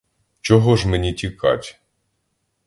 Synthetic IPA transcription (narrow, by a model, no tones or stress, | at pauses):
t͡ʃɔɦɔʒmenʲitʲikɑ̰tʲ